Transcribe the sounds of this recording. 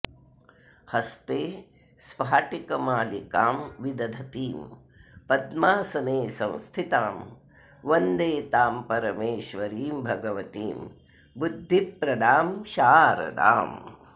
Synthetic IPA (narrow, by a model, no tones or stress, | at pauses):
hɐst̪eː | sʋaːʈikɐmaːlika̰ːmʋid̪ɐd̪ʱɐt̪iːm | pɐd̪maːsɐneːsɐ̃w̃st̪ʰit̪aːm | ʋɐnd̪eːt̪aːmpɐɾɐmeːʃʋɐɾiːmbʱɐɡɐʋɐt̪iːm | bud̪ʱːipːɾɐd̪aːmʃaːɾɐ̰d̪a̰ːm